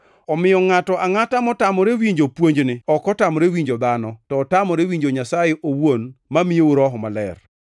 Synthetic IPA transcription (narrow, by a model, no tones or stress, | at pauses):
ɔmɪjɔŋatɔʔaŋatamɔtamɔɾewiɲd͡ʒopwoɲd͡ʒnɪɔkɔtamɔɾewiɲd͡ʒod̪anɔtɔːtamɔɾewiɲd͡ʒoɲasajeʔowonmamɪjeuɾɔɦɔmalɛ̰r